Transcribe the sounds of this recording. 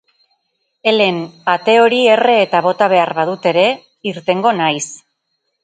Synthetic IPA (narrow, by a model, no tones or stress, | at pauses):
e̞le̞nat̪e̞o̞ɾie̞re̞ːt̪aβo̞t̪aβ̞e̞aɾβað̞ut̪e̞ɾe̞ | iɾt̪e̞ŋɡo̞najs